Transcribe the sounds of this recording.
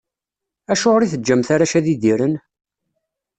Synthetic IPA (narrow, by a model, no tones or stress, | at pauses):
æʃoʁɾiθəd͡ʒːæmθaɾaʃæðiðiɾən